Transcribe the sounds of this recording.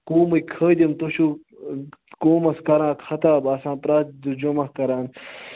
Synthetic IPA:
koːmɐkʰəːd̪imt̪oɕu | koːmɐskɐɾãːkʰɐt̪aːbɐsãːpɾaːt̪̚d̪ud͡ʑomɐhkɐɾaːn

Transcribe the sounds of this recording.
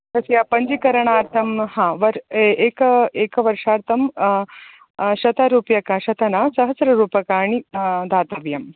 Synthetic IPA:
t̪ɐsjaːpɐɲd͡ʒikɐɾɐɳaːɾt̪ʰɐmhãːʋɐɾeːkɐeːkɐʋɐɾʂaːɾt̪ʰɐm | ʃɐt̪aɾuːpjɐkaʃɐt̪ʰɐnaːsɐɦɐsɾɐɾuːpɐkaːɳid̪ʱaːt̪ɐʋjɐm

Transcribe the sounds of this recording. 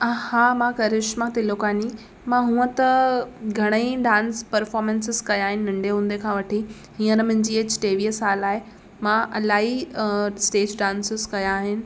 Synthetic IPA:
haːmãkɐɾɪʃmãt̪elokaːni | mãɦũːə̃t̪ɐɡʱɐɽ̃əĩɖãːnspɐɾfɔːɾmẽnsɪzkɐjaːɦɪnɪ̆nɐ̃ɳɖeɦũːn̆d̪ekʰãːʋɐʈʰi | hĩːə̃nəmɐ̃ɦɪ̃ɲd͡ʑiːɐt͡ɕʈeːʋiɦəsaːlaːɦe | mãʔɐlaːɦisʈeːd͡ʑɖãːnsɪzkɐjãːɦɪnɪ̆

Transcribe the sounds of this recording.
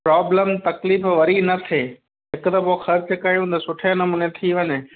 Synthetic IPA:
pɾaːbləmt̪ɐkliːfʋɐɾinɐt̪ʰeː | ɦɪkt̪ɐpoxɐɾt͡ʃkɐjũnt̪ɐsʊʈʰenɐmuːnet̪ʰiʋɐɲe

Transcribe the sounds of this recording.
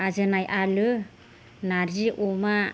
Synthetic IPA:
azɯnajʔalɯ | naɾziʔɔma

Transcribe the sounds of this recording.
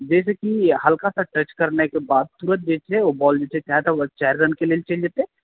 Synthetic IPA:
d͡ʒɛːsekihɐlkasaʈɾət͡ʃkɐɾnekebaːd̪̚suːɾət̪̚d͡ʒeːt͡ʃeobɔːld͡ʒet͡ʃʰet͡ʃaɦet̪ət͡ʃɛɦɾɾənkeleːlt͡ʃeld͡ʒaːt̪eɦɛ̃

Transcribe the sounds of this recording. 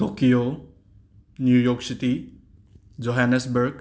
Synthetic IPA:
tokijo | njujoːksit̪i | d͡ʒoɦanesbəɾɡ

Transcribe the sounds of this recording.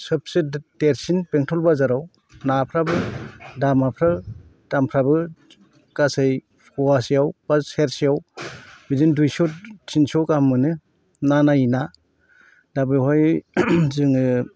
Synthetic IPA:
sɯp̚sɯdeɾsinpeŋtʰɔlbazaɾaw | napʰɾabɯdamapʰɾɯ | d̥ampʰɾabɯ | kasaj | pʰɔasijawb̥aseɾsijawbizindujsɔtʰinsɔkamːɯnɯ | nanaina | dabɯhɔj | zɯŋɯ

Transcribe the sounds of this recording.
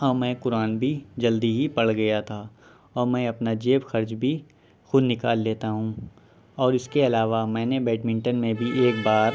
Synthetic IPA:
ɔːmɛ̃ːkʊɾaːnbʱid͡ʒɐld̪iɦipɐɽɡɐjat̪ʰaː | ɔːɾmɛ̃ːɐpnad͡ʒeːbxɐɾd͡ʒbʱi | xʊd̪nɪkaːlːeːt̪aɦũː | ɔːɾɪskeɐlaːʋamɛ̃ːnebɛːʈmɪ̃ɳʈənmẽbʱieːk̚baːɾ

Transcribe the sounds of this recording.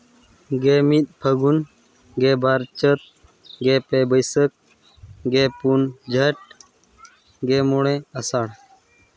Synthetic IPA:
ɡeːmit̪̚pʰəɡun | ɡeːbaɾt͡ʃət̪̚ | ɡeːpeːbəjsək̚ | ɡeːpund͡ʒʱəʈ̚ | ɡeːmuɽẽəsaɽ

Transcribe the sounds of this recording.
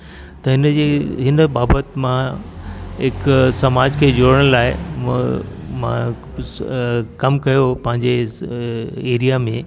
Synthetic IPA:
t̪ɐɦɪnd͡ʑeːɦɪnəbaːbət̪mã | ɦɪksɐmaːd͡ʑkʰeːd͡ʑoːɾəɽ̃laːɪ | mã̰ | kɐmkɐjopɐ̃ɦɪ̃ɲd͡ʑe | eːɾijamẽ

